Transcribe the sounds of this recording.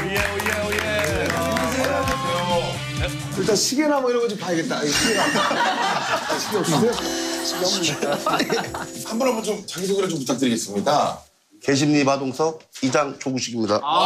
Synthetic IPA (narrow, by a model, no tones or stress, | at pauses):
je | eɡisʰeɡenaɡesejo | iɭt͈anɕʰiɡenɦaboiɾʌŋɡʌnd͡ʑipaeɡe̞t̚t͈aɕʰiɡeɾa | aɕʰiɡiʌp̚ɕ͈ideoɕʰiɡiɦamo | hambʌnɦambʌnt͡ɕomt͡ɕaɡisʰoɡiɾɯɭt͡ɕomputʰak̚t͈ɯɾiɡes͈ɯmɲida | ke̞ɕ̬ʰimɲimadoŋsʰʌid͡ʑaŋt͡ɕoɡuɕʰikʰimɲida